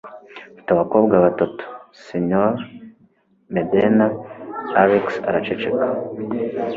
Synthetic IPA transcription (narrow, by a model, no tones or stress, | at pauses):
i̥taβakoːbɡaβatoto̥seɲoɾ | medenaaɾeksa̰ɾat͡ʃet͡ʃekḁ